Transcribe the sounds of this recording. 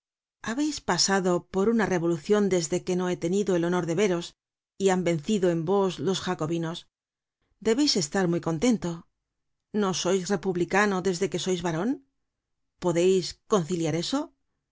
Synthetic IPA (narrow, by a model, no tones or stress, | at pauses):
aβe̞jspasaðo̞po̞ɾunare̞βo̞luθjo̞nd̪e̞zðe̞ke̞no̞e̞t̪e̞niðo̞elo̞no̞ɾðe̞βe̞ɾo̞s | iambe̞n̟θiðoe̞mbo̞slo̞sxako̞βino̞s | d̪e̞βe̞jse̞st̪aɾmujko̞nt̪e̞nt̪o̞ | no̞so̞jsre̞puβlikano̞ðe̞zðe̞ke̞so̞jzβaɾo̞n | po̞ðe̞jsko̞nθiljaɾe̞so̞